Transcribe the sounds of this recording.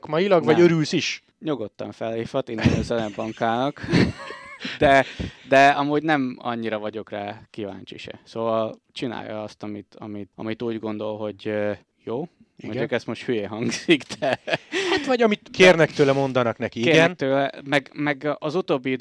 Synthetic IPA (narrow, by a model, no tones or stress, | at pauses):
kmɒjilɒɡvɒɟøɾylsiʃ | ɲoɡot̪ːɒ̰ɱfɛlːeːfɒt̪inːɛnøzɛlɛbɒŋkaːnɒk | d̪ɛd̪ɛɒmuːɟnɛmɒ̰ɲːiɾɒvɒɟo̞kraːkiva̰ːɲt͡ʃḭʃɛ̰soːvɒl | t͡ʃina̰ːjɒ̰ɒst̪ɒmit̪ɒ̰mit̪ɒ̰mit̪uːɟɡo̞nd̪o̞lɦo̞ɟø | joː | modukɛst̪mo̞ʃt̪hyjeːɦɒŋɡz̥ikd̪̥ɛhaʋɒɟɒmit̪kʰeːrnɛkt̪øːlɛmo̞nd̪ɒnɒknɛkieːɛnːøːlɛmɛɡmɛɡɒzut̪oːbːid̪